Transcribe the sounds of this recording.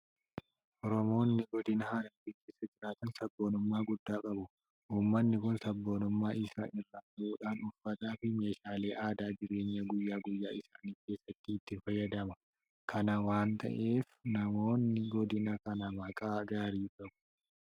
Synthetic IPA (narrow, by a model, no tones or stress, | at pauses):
ʔɔɾɔmo̞ːnːɪɡɔd̪ɪnɐhaːɾɐnbɪːkːeːsːɐd͡ʒɪɾaːt̪ɐnsɐbːo̞ːnʊmːaːɡʊd̪ːaːkʼɐbʊ | ʔuːmːɐnːɪkʊnsɐbːo̞ːnʊmːaːʔɪsa̰ːʔɪrːaɐuːᶑaːnʊfːɐt̪aːfɪme̞ːʃaːle̞ːʔaːd̪aːd͡ʒɪɾe̞ːɲːɐɡʊjːaːɡʊjːaːɪsaːniːfke̞ːsːɐt̪ːɪːt̪ːɪfɐjːɐd̪ɐmɐ | kʰɐnɐwaːnt̪ʰɐ̰ʔe̞ːfnɐmo̞ːnːɪɡɔd̪ɪnɐkɐnɐmɐkʼaːɡaːɾiːkʼɐbʊ̥